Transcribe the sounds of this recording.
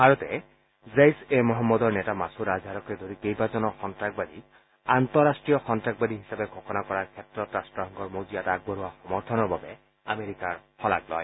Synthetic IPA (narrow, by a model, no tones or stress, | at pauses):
bʱaɹɔtɛ | zejsemɔɦɔmːɔdɔɹnɛtamasuɹazʱaɹɔkɛdʱoɹikejbazɔnɔxɔntɹak̚bad̪ʱi | ant̪ɔɹastɹijɔxɔntɹak̚bad̪iɦisabɛɡʱɔxɔnakɔɹaɹkʰɛtɹɔtɹastɹɔɦɔŋɡɔɹmozijataɡ̚bɔɹuwaxɔmɔɹt̪ʰɔnɔɹbabɛ | ameɹikaɹxɔla̰klɔ̰j